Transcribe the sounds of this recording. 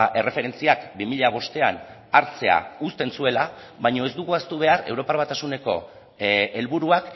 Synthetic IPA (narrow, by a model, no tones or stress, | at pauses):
ʔe̞re̞fe̞ɾe̞nt͡siakbimiʎaβ̞o̞st̪e̞an | aɾt͡se̞a̰ust̪e̞nsue̞la | βajɲo̞e̞zd̪uɣuast̪uβ̞e̞are̞wɾo̞paɾβat̪asune̞ko̞̰ | e̞lβuɾuak